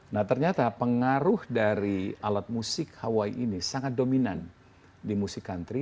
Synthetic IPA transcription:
naht̪ərɲat̪apəŋaɾʊhdaɾialat̪̚musɪkhawaiʔinisaŋat̪̚dominan | dimusikːant̪ɾi

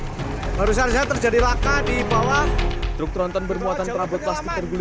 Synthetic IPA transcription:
baɾusard͡ʒat̪ərd͡ʒadilakadibawahd̪ɾʊk̚t̪ɾɔnt̪ɔnbərmuat̪anpəɾabʊt̪̚laspit̪ərɡul

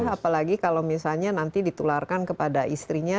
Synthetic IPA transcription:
ɦapalaɡikalowmisalɲanant̪idit̪ularkankəpadaʔist̪ɾiɲa

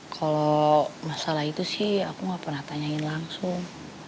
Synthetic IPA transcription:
kʰalomasalahit̪usɪhakuŋɡapərnaht̪aɲainlaŋsʊŋ

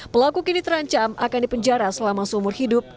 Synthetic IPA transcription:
pəlakukinit̪əɾaɲt͡ʃamʔakandipəɲd͡ʒaɾasəlamasəumʊrhidʊp̚

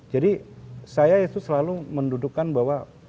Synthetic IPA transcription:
d͡ʒadisajaesusːəlaluməndudukːanbawa

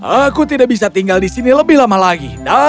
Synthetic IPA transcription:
akut̪idaʔbis̬at̪iŋɡaldisiniləbɪhlamalaɡida

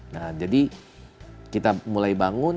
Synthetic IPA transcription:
nahd͡ʒadi | kit̪amulajbaŋʊn

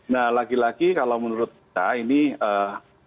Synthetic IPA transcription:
nahlaɡilaɡikalomənuɾʊt̪̚ta̰iniəː

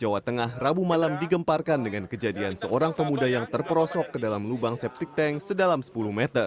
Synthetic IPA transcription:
d͡ʒawat̪əŋahrabumalamdiɡəmparkandəŋankəd͡ʒadiansəoɾaŋpəmudajaŋt̪ərpəɾɔsɔkːədalamlubaŋsɛp̚t̪ik̚t̪ɛŋsədalamsə̥puluhmɛt̪ər

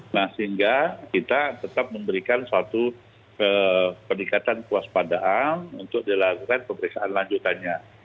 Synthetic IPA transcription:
nahsiŋɡakit̪at̪ət̪ap̚məmbəɾikansəat̪u | əpərnikat̪ankuaspadaʔanunt̪ʊk̚dilaɡukanpəmbəɾesaʔanlaɲd͡ʒut̪anɲa

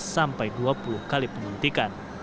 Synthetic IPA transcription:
sampajduapuluhkalipəmbunt̪ikan

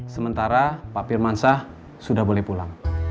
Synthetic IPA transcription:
səmənt̪aɾapapɪrmansah | sudahbolɛhpulaŋ

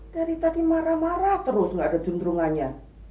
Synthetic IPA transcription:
d̥aɾit̪adimaɾamaɾat̪əɾʊsŋɡadad͡ʒunt̪ɾuŋanɲa

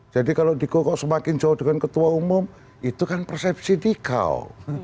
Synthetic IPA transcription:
d͡ʒadikalodikokɔʔsəmakɪnd͡ʒaɔhdəŋankət̪uaumʊm | it̪ukanpərsɛp̚sidika̰l

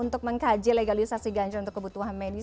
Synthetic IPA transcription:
unt̪ʊk̚məŋkad͡ʒileɡalisasiɡaɲt͡ʃarunt̪ʊkːəbut̪uɦanmedi

